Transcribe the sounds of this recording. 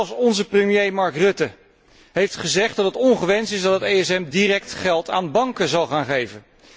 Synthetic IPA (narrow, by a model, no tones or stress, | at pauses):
lˠfsɔnzəprəmjejmɑɹkrɵtə | ɦejftχəzɛχdɑtətɔŋχəʋɛnsɪzdɑtɦətejɛsɛmdirɛk̚tχɛlˠta̰ːnbɑŋkəzɑlˠχaːnχejvən